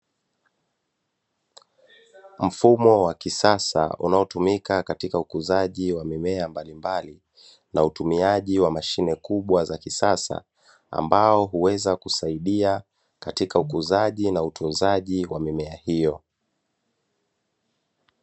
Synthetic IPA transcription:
m̩fumɔwakisasa̰ṵnaɔtumikakatikaukuzaʄiwamimɛambalimbali | nautumiaʄiwamaʃinɛkuɓwazakisasa̰ | a̰mbaɔɦuwɛzakusaiɗia | katikaukuzaʄinautʰunzaʄiwamimɛahijɔ

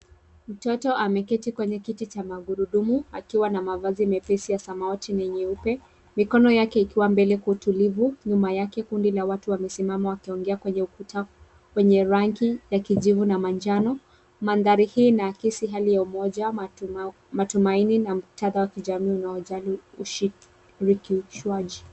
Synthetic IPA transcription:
m̩tɔtɔamɛkɛtikwɛɲɛkitit͡ʃamaɡuɾuɗumuakiwanamavazimɛpɛsijasamaɔtinɛɲɛupɛ | mikɔnɔjakɛikiwambɛlɛkautulivuɲumajakɛkundilawatuwamɛsimamawakiɔŋɡɛakwɛɲɛukuta | kwɛɲɛɾaŋkijakiʄivunamand͡ʒanɔ | manðaɾihiːnakisiɦalijaumɔʄa | matumaininam̩tʰaðawakiʄamiːunaɔʄaliuʃi | ɾikiʃuaʄi

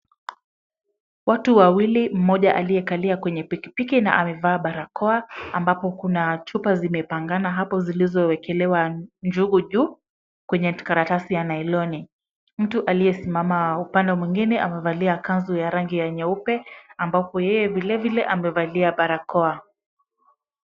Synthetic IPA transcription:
watuwawilim̩mɔʄaʔalijɛkaliakwɛɲɛpiki̥pikina̰ʔamɛvaːɓaɾakɔaambapɔkunat͡ʃupazimɛpaŋɡanaɦapɔzilizɔwɛkɛlɛwand͡ʒuɡuʄuː | kwɛɲɛkaɾatasijanailɔni | m̩tuʔalijɛsimamaupandɔmwiŋɡinɛʔa̰mɛvaliakanzɔjaɾaŋɡijaɲaupɛambapɔjɛjɛvilɛvilɛʔamɛvaliaɓaɾakɔa

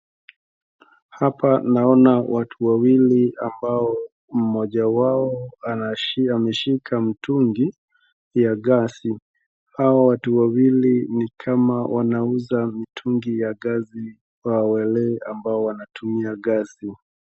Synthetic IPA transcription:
hapanaɔnawatʰuwawiliambaɔ | m̩mɔʄawaɔ | amɛʃikʰam̩tʰuŋɡi | jaɠasi | hawawatuwawilinikʰamawʔanauzamitʰuŋɡijaɠazi | wawɛlɛambaɔwanatʰumiaɠasi

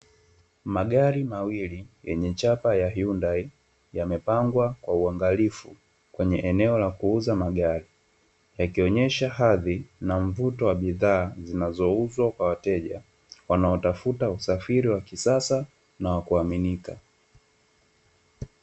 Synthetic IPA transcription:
maɠaɾimawilijɛɲɛt͡ʃapajahiundai | jamɛpaŋɡwakwauaŋɡalifu | kwɛɲɛʔɛnɛɔlakuuzamaɠaɾi | jakiɔɲɛʃahaðinaɱ̩vutɔwaɓiðaːzinazɔuzwakwawatɛʄa | wanaɔtafutausafiɾiwakisasa | nawakuaminika

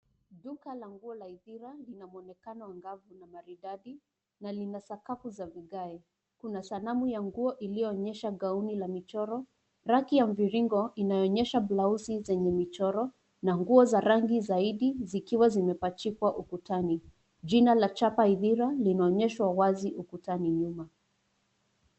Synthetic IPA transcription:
ɗukalaŋɡuɔlaiðiɾalinamuɔnɛkanɔwaŋɡavunamaɾiɗaɗi | nalinasakafuzaviɠaɛ | kunasanamujaŋɡuɔʔilijɔːɲɛʃaɡaunilamit͡ʃɔɾɔ | ɾakijam̩viɾiŋɡɔʔinajɔɔɲɛʃablauzizɛɲɛmit͡ʃɔɾɔ | naŋɡuɔzaɾaŋɡizaiɗizikiwazimɛpat͡ʃikwaʔukutani | ʄinalat͡ʃapaiðiɾalinaɔɲɛʃwawaziʔukutaniɲuma

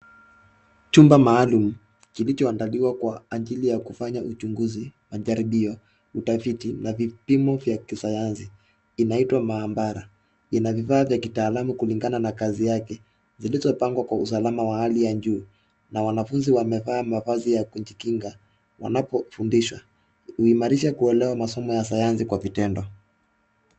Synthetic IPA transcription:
t͡ʃumbamaːlum̩ | kilit͡ʃɔandaliwakwaːd͡ʒilijakufaɲaʔut͡ʃuŋɡuzimaʄaɾiɓiɔ | utafitinavipimɔvjakisajansiː | naitwamaːmbaɾa | inavivaːvjakitaːlamukuliŋɡananakazijakɛ | zilizɔpaŋɡwakwausalamawahalijaʄuː | nawanafunziwamɛvaːmavazijakuɲd͡ʒikiŋɡa | wa̰napɔfundiʃwa | huimaɾiʃakuɛlɛwamasɔmɔjasajansikwavitɛndɔ

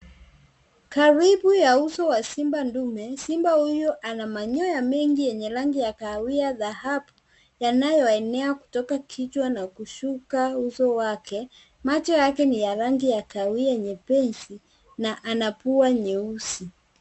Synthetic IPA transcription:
kaɾiɓujausɔwasimbandumɛsimbahujɔʔanamaɲɔjamɛŋɡijɛɲɛɾaŋɡijakawiaðahabu | janajɔɛnɛaku̥tɔkakʰit͡ʃwanakuʃukausɔwakɛ | mat͡ʃɔjakɛnijaɾaŋɡijakawiaɛɲɛpɛnsi | naʔanapuaɲɛusi

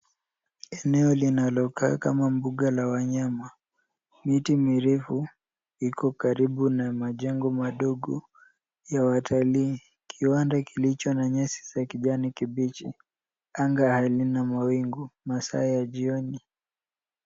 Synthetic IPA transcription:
ɛnɛɔlinalɔkaːka̰mambuɠalawaɲama | mitimiɾɛfu | ikɔkaɾiɓunamaʄɛŋɡɔmaɗɔɠɔ | jawatʰaliː | kʰiwandakilit͡ʃɔnaɲɛsi̥sakiʄanikiɓit͡ʃi | aŋɡahalinamawiŋɡumasa̰ɛjad͡ʒiɔni

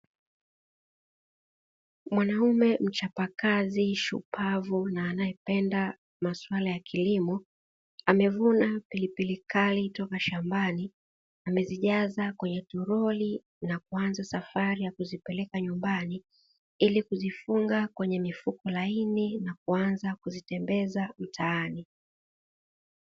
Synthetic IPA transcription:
mwanaumɛm̩t͡ʃapakaziʃṵpʰavunaːnajɛpɛnda | maswalajakʰilimɔ | amɛvunapilipilikalitɔkaʃambani | amɛziʄazakwɛɲɛtuɾɔli | nakuanzasafaɾijakuzipɛlɛkaɲumbani | ilikuzifuŋɡakwɛɲɛmifukɔlaininakuanzakuzitɛmbɛzam̩tʰaːni

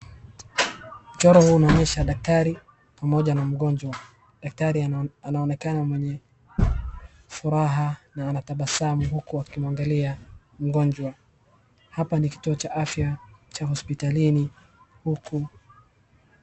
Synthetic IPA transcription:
m̩t͡ʃɔɾɔhuːnaɔɲɛʃaɗak̚taɾi | pamɔʄanam̩ɠɔɲd͡ʒwa | ɗak̚taɾianaɔnɛkanamwɛɲɛ | fuɾaɦanaːnataɓasamuɦukuakimwaŋɡalia | m̩ɡɔnd͡ʒwa | hapaniki̥tuɔt͡ʃaʔafjat͡ʃahɔspitalini | hukʰu

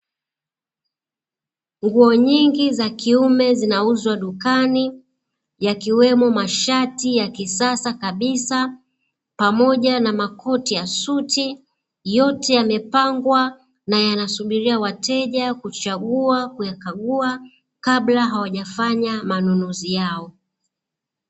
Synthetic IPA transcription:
ŋɡuɔɲiŋɡizakiumɛzinauzwaɗukani | jakiwɛmɔmaʃatijakisasakaɓisa | pamɔʄanamakʰɔtijasuti | jɔtɛjamɛpaŋɡwa | najanasuɓiɾiawatɛʄakut͡ʃaɠuakujakaɠua | kaɓlaɦawaʄafaɲamanunuzijaɔ

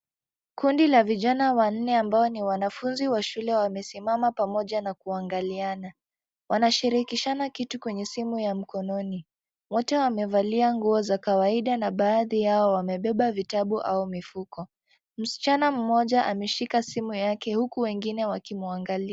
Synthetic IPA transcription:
kundilaviʄanawan̩ːɛambaɔniwanafunziwaʃulɛwamɛsimamapamɔʄanakuaŋɡaliana | wʔanaʃiɾikiʃanakitukwɛɲɛsimujam̩kɔnɔni | wɔtɛwamɛvaliaŋɡuɔzakawaiɗanaɓaːðijaɔwamɛɓɛɓavitaɓuʔaumifukɔ | m̩si̥t͡ʃanam̩mɔʄaʔa̰mɛʃikasimujakɛhukuwɛŋɡinɛwakimuaŋɡalia

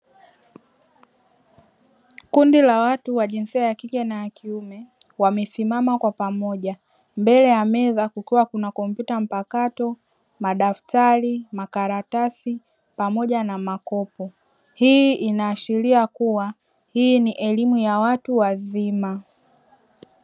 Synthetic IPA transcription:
kundilawatuwaʄinsiajakikɛnajakʰiumɛ | wamɛsimamakwapamɔʄa | mbɛlɛjamɛzakukiwakunakɔmpjutam̩pakatɔ | maɗaftaɾimakaɾatasi | pamɔʄanamakɔpɔ | hiʔinaːʃiɾiakuwa | hiniʔɛlimujawatuwazima

